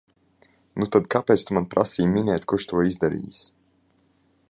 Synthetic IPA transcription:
nut̪ad̪kapɛːt̪st̪umanpɾasiːjminɛːt̪kuɾʃt̪uɔizd̪aɾḭːjis

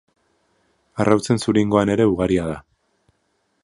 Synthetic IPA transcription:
arʔawt͡se̞nsuɾiŋɡo̞ane̞ɾe̞uɣaɾiað̞a

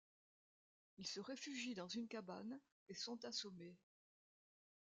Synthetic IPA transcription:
ilsəʁefyʒid̪ɑ̃zynkaban | esɔ̃t̪asɔme

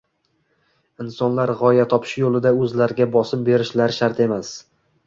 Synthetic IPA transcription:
ɪnsɒnlaɾʁɒjat̪ʰɒpʰɪ̥ʃjolˠɪd̪aɵzlaɾɪɡʲabɒsɪmbe̞ɾɪʃlaɾʃaɾt̪ʰe̞mas

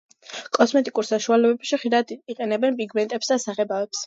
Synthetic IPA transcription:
kʼɔsmɛt̪ʼikʼuɾsaʃualɛbɛpʃiχʃid̪ad̪iqʼɛnɛbɛnpʼiɡmɛnt̪ʼɛpsd̪asaʁɛbavɛps

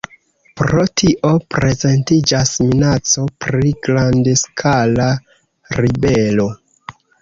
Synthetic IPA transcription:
pɾotʰiʔo̞pɾe̞ze̞ntid͡ʒasminat͡so̞pɾiɡɾandeskʰala | ɾibe̞lo̞

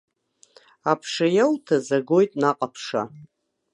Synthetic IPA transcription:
apʰʂajawtʰazaɡo̞jtʼnaqʼapʰʂa̰

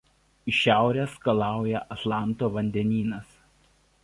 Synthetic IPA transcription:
ɪʃʲæˑʊɾʲeːskɐlˠɑˑʊjɛʔɐt̪lˠɑˑnˑt̪oːʋɐnʲd̪ʲɛnʲiːnɐs

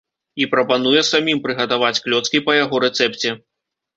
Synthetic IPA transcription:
ipɾɐpanujɛsamʲimpɾɨɣɐt̪avat͡sʲklʲɔt̪skʲipɐjaɣɔɾɛt̪sɛpt͡sʲɛ

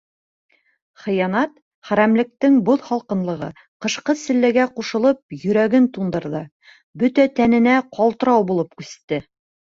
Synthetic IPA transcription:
χɤ̆jɑnɑt̪ | χæɾæmlɘ̆k̚t̪ɘŋboðχɒlˠqɤ̆nlˠɤ̆ʁɤ̰ | qɤ̆ʃqɤsɘ̆lːæɡæquʃɤ̆lˠɤp̚jɵ̆ɾæɡɘnt̪und̪ɤ̆ɾðɤ | bɵt̪æt̪ænɘ̆næqɑlˠt̪ɤ̆ɾɑwbulˠɤp̚kʉst̪ːɘ

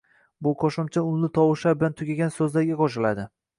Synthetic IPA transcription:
bʊqʰɒʃɪmt͡ʃʰaʊlnɪt̪ʰɒwɪʃabɪlant̪ʰʊɡʲaɡʲansɵzlaɾɡʲaqʰɒʃ̬ɪlad̪ɪ

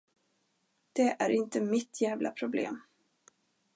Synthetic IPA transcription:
d̪̥ɛʔæɾɪnt̪əmɪt̪ʰːjæːvlʔa̰pʰɾʊblḛːm

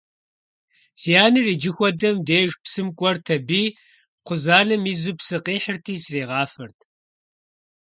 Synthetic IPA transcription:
sijaːnɨriːd͡ʒɪxʷɔdɐmdeːʒpsɨmkʷʼɔrtʰɐbiː | qʷʊzaːnɨmiːzupsɨqiːħərtʰiːsreːʁɑːfɐrtʰ

